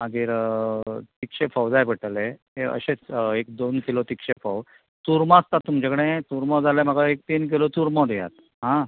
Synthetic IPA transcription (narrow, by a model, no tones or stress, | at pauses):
maɡiːɾ | t̪ikɕefɔwd͡zajpəʈəleɦeə̰ɕet͡sekd̪onkilot̪ikɕefɔw | t̪uɾmaːst̪at̪ːumd͡ʑekɽẽt̪uɾmɔd͡zalem̤aɡaek̚t̪iːnk̬ilot̪uɾmɔd̪eja̰t̪̚ | ɦã